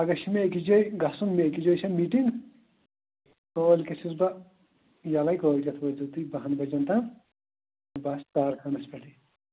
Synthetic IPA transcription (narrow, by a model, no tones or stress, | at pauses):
ɐɡɐʃimeekid͡ʒojɡɐsunmeekid͡ʒojsʰɐmiːʈiŋɡ | koːlkɐsisbɐ | jɐlɐjkoːlʲkʲɐt̪ʰbɐzut̪ibɐɦɐnbɐd͡ʒɐnt̪ɐ | bɐst̪aːɾkʰɐnɐspɐʈi